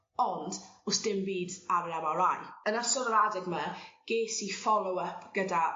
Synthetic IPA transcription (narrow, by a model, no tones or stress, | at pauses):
ɔndʊsd̥ɪmbiːdaɾlɛwaɾajənasɔɾəɾadɪɡməɡ̥eːsifɔlˠɔwəpʰɡ̥əda